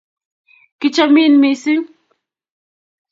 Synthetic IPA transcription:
kɪ˦t͡ʃa˦mi˦nmi˨si˦ŋ

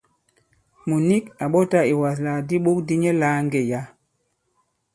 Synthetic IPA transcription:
mu˨ni˦ka˨ɓɔ˦ta˦i˨wa˨s̬laː˨di˦ɓo˦k̚di˦ɲɛ˦laː˦ŋɡɛ˨ja˦

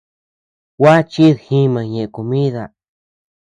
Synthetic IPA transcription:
wa˦t͡ʃi˦ðhĩ˦mã˨ɲẽ˨ʔko˨mĩ˦ða˧

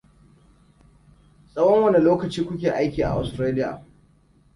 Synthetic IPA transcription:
sʼɐ˦wɔ˦ŋwɐ˦ne˨loː˦kɐ˨t͡ʃiː˦kʷʊ˦kʲeː˨ʔa˦jkʲiː˨ʔa̰˨ʔa̰˨stɾeː˦lɪ˦ja̰˨

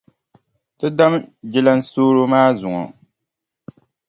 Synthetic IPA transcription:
tɨ˦da˦md͡ʒɪ˦la˦n̩˦soː˦ɾo˦maː˦zʊ˨ŋɔ̰˨

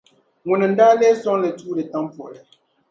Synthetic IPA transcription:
ŋu˨nɛ˨n̩˨˦daː˦lɛː˦sɔ˦ŋ˦lɛ˨tuː˦dɛ˨ta˦m˦pɔ˨lɛ˨

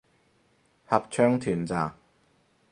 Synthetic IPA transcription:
hɐ˨p̚t͡ʃʰœː˥ŋt̪ʰyː˨˩nt͡saː˨˩ŋ

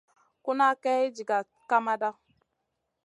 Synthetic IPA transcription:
ku˦na˦kɛ˦i˦d͡ʒi˨ɡa˨ | ka˦ma˦da˦

